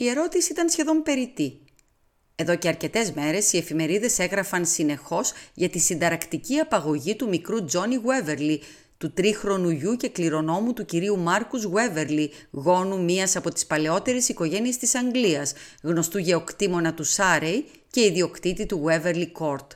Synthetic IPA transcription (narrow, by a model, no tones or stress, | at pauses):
ie̞ɾo̞t̪isiit̪ɐnsçe̞ðo̞mpe̞ɾit̪i | e̞ðo̞ce̞ɐɾce̞t̪e̞zme̞ɾe̞sie̞fime̞ɾiðe̞se̞ɣɾɐfɐnsine̞xo̞z̥ʝɐt̪isind̪ɐɾɐkt̪iciɐpɐɣo̞ʝit̪umikɾud͡zo̞niɣwe̞ve̞ɾli | t̪ut̪ɾixɾo̞nuʝuce̞kliɾo̞no̞mut̪uciɾiumɐɾkuzɣwe̞ve̞ɾliɣo̞numiɐsɐpo̞t̪i̥spɐleo̞t̪e̞ɾesiko̞ʝe̞nie̞st̪isɐŋɡliɐsɣno̞st̪uʝe̞okt̪imo̞nɐt̪usɐɾej | ce̞iðio̞kt̪it̪it̪uɣwe̞ve̞ɾliko̞ɾt̪